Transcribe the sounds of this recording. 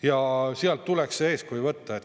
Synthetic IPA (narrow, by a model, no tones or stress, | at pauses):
jɑsiɑlt̪tːulekssee̞ːskujvɤt̪ːɑet̪